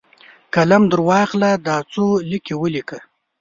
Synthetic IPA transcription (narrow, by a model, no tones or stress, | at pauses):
kalamd̪əɾwɑːχlad̪aːt͡solikewəlikə